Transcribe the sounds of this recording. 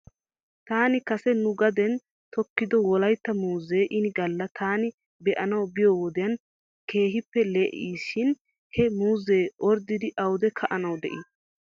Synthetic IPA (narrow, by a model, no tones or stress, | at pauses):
t̪aːnɪkɐsɛnʊɡɐd̪ɛn | t̪ɔkːɪd̪ɔwɔlɐjt̪ːɐmuːzeːʔɪnɪɡɐlːɐt̪ʰaːnɪ | bɛʔɐnɐwbɪjɔwɔd̪ɪjɐn | ke̞ːɦɪpːɛleːʔiːʃɪn | hɛmuːzːeːʔɔɾd̪ɪd̪ɪʔɐwd̪ɛkʰɐʔɐnɐwd̪ɛ̰ʔi